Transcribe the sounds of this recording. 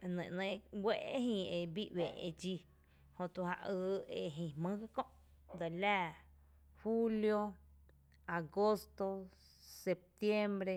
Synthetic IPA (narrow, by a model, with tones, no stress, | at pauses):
nḛ̃˨ʔnẽ˧˦ɡwe˦ʔe˦ɦĩ˧e˧bi˦ʔweː˨ʔḛ˧d͡ʒi˧ | hõ˧t̪u˧ha̰˧ʔɨː˧e˧ɦĩ˧˨hmɨ̃˦ɡɨ˦kõ˦ʔ | d̪a˨læː˦˨ | hu˦ljo˧ | a˨ɡo˦st̪o˧ | se˧p̚t̪je˦mbɾe˧